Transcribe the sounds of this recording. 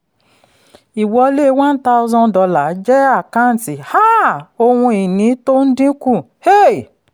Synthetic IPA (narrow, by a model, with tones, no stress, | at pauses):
i˨wɔ˧le˦wã˦n̩˦ta˦wzɔ̃˧ndɔ˧la˨˦d͡ʒɛ˦a˦˨kã˦˨n̩˨ti˨ha˦o˧wũ˧i˨nĩ˨˦to˦n̩˦dĩ˦kũ˦˨ | he˦˨